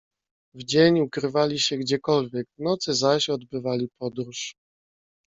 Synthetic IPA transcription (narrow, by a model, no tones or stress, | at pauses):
vd͡ʑeɲukɾɘvalʲiɕɛɡd͡ʑɛkɔlvʲjɛkvnɔt̪sɘzaɕɔd̪bɘvalʲipɔd̪ɾuʂ